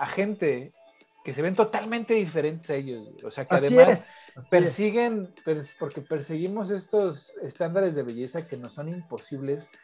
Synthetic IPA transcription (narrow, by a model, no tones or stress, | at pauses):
axe̞nt̪e̞ | ke̞seβe̞nt̪o̞t̪almẽnt̪e̞ðife̞ɾe̞nt̪esaeʝo̞zoseakaðeeaspeɾsiɣe̞npeɾspo̞ɾke̞pe̞ɾseɣimo̞s̬e̞st̪o̞se̞st̪and̪aɾe̞zðe̞βe̞ʝe̞sake̞no̞so̞nimpo̞siβle̞s